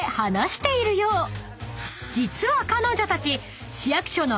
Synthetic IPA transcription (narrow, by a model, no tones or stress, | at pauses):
hanaɕi̥t̪e̞iɾɯ̟jo̞ː | d͡ʑit͡sɨβakano̞ːd͡ʑot̪at͡ɕi | ɕijakɯ̥ɕo̞no̞